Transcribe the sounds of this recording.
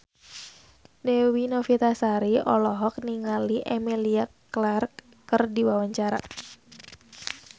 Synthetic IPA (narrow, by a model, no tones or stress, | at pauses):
dɛwinofit̪asaɾiʔɔlɔɦɔk̚niŋaliʔemiliaklark | kːərdiwawaɲt͡ʃaɾa̰